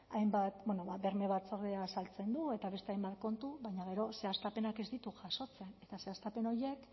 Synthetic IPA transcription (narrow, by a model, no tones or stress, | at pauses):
ajmbat̪bwenoβaβe̞ɾme̞βat͡so̞ɾðeasalt͡se̞nd̪ue̞t̪aβe̞st̪eajmbat̪̚ko̞nt̪uβajɲaɣ̞e̞ɾo̞se̞ast̪ape̞nake̞zd̪it̪uʝaso̞t͡se̞ne̞t̪ase̞ast̪ape̞no̞ɾje̞k